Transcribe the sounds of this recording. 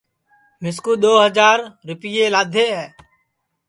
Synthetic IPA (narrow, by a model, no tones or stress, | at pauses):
mɪskuːɗ̪oːɦəd͡ʒaːɾɾʊpɪjeːlaːd̪ʱeːɦɛː